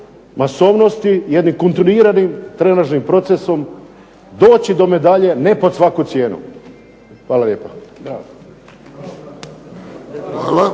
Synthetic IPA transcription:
maso̞ːʋno̞st̪ijed̪nimkont̪iniːɾanimt̪ɾenaʒnimpɾo̞t̪seso̞m | d̪o̞ːt͡ɕid̪o̞me̞d̪aʎene̞po̞d̪sʋakut̪sje̞ːnṵ | xʋaːlaljeːpo | ala

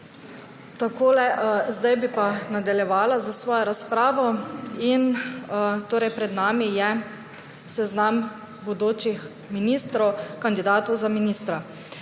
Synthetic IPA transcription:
t̪akoːlɛzd̪ajbipanad̪aljɛʋaːlazasʋɔːjɔɾaspɾaːʋɔin | t̪oːɾɛjpɾɛd̪naːmijɛ | sɛznam | bod̪oːt͡ʃix | miniːst̪ɾɔwkand̪id̪aːt̪owzaminiːst̪ɾa

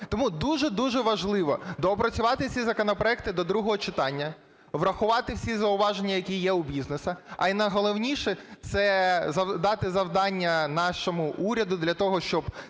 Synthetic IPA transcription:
t̪ɔmud̪uʒɛd̪uʒɛʋɐʒlˠɪʋɔ̰d̪ɔːpɾɐt͡sʲʊʋɑt̪ɪwsʲizɐkɔnɔpɾɔɛk̚t̪ɪd̪ɔd̪ɾuɦɔɦɔt͡ʃɪt̪ɑnʲːɐ | ʋrɐxʊʋɑt̪ɪwsʲizɐʊʋɑʒenʲːɐjɐkʲijɛʊbʲiznesɐɐ̰inɐɦɔlˠɔwnʲiʃɛt̪sɛzɐd̪ɑt̪ɪzɐwd̪ɑnʲːɐnɑʃɔmʊʔuɾʲɐd̪ʊd̪lʲɐt̪ɔɦɔʃt͡ʃɔb

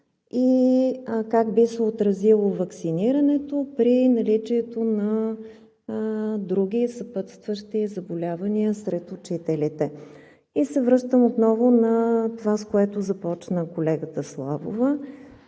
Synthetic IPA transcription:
i | kaɡbisɛot̪ɾɐzilˠovɐksiniɾənɛt̪opɾinɐlit͡ʃiɛt̪onɐ | d̪ɾuɡʲisɐpɤt̪st̪vəʃt̪izɐbolʲavəniəsɾɛt̪ʊt͡ʃit̪ɛlit̪ɛ | isɛvɾɤʃt̪əmot̪nɔvʊnɐt̪ovaskoɛt̪ozɐpɔt͡ʃnəkolɛɡət̪əslˠa̰vo̰və

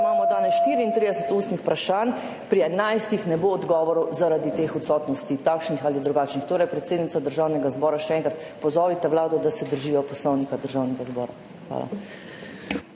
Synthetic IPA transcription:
maːmɔd̪aːnɛsʃt̪iːɾiːnt̪ɾiːd̪ɛsət̪uːst̪nixpɾaʃan | pɾiɛnajst̪ixnɛboːd̪ɡɔːʋɔɾɔwzaɾad̪it̪eːxɔt̪sɔːt̪nɔst̪it̪akʃnixalid̪ɾuɡaːt͡ʃnixt̪oːɾɛjpɾɛt̪seːd̪nit̪ad̪əɾʒaːwnɛɡazbɔːɾaʃɛɛŋkɾat̪pɔzɔːʋit̪ɛwlaːd̪ɔd̪asɛd̪əɾʒiːjɔpɔslɔwnikad̪əɾʒawnɛɡazbɔːɾa̰ | xʋa̰ːla̰

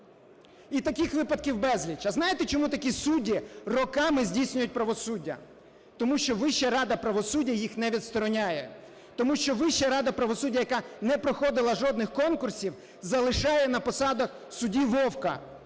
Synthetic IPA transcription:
it̪ɐkʲixʋɪpɐt̪̚kʲiwbɛzʲlʲit͡ʃɐznɑjet̪ɛt͡ʃɔmut̪ɐkʲisudʲirɔkɑmɪzʲdʲijsʲnʲʊjʊt̚ʲpɾɐʋɔsudʲːɐ̰ | t̪ɔmuʃt͡ʃɔʋɪʃɐɾɑd̪ɐpɾɐʋɔsudʲːɐjixnɛʋʲid̪st̪ɔɾɔnʲajɛ | t̪ɔmuʃt͡ʃɔʋɪʃɐɾɑd̪ɐpɾɐʋɔsudʲːɐjɐkɑnɛpɾɔxɔd̪ɪlˠɐʒɔd̪nɪxkɔnkʊrsʲiw | zɐlˠɪʃɑjɛnɐpɔsɑd̪ɐx | sʊdʲiʋɔwkɐ̰

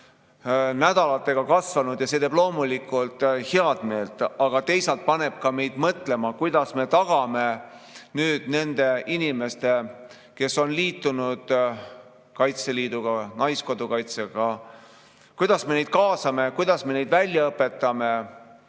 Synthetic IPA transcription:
næd̪̥ɑlɑt̪ːˑe̞ɡ̥ɑkɑsvɑnud̪̥jɑset̪e̞ːb̥lo̞ːmulikːˑult̪ˑheɑd̪̥me̞ːlt̪ːˑɑɡ̥ɑt̪e̞jsɑlt̪̚pɑne̞b̥̚kɑme̞jd̪̥mɤt̪le̞mɑkujd̪̥ɑsme̞t̪ɑɡ̥ɑme̞nyːd̪̥ne̞nd̪e̞inime̞st̪e̞ | ke̞so̞nliːt̪ːˑunud̪̥ | kɑjt̪se̞liːd̪uɡ̥ɑnɑjsko̞d̪ukɑjt̪seɡ̥ɑ | kujd̪̥ɑsme̞ne̞jd̪̚kɑːsɑme̞kujd̪̥ɑsme̞nejd̪vælʲjɑɤpːˑe̞t̪ːˑɑme̞

